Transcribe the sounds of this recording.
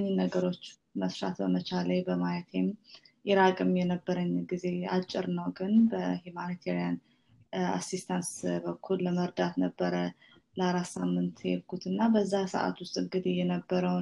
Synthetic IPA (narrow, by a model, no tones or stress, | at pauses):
ɲːinːəɡəɾo̞t͡ʃː | məsɾa̰t̪bəmət͡ʃʰalajbəmajɛt̪emʔɪɾakʼɨmjɛnəbːəɾəɲːɡize̞a̰t͡ʃʼːɪɾnəwɡɨnbəhumanit̪ʰeɾijan | a̰sist̪ʰansbəkʰːulːəməɾd̪at̪nəbːəɾə | ləaɾasamːɨnt̪jɛ̰lkʰut̪ɨnːabəzːasə̰ʔa̰t̪wʊst̪ʼɨŋɡɨd̪ijɛnəbːəɾəw